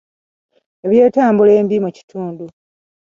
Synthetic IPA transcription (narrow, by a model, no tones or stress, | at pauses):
e̞βje̞ːtaːmbule̞ːmbimuci̥tʰuːndu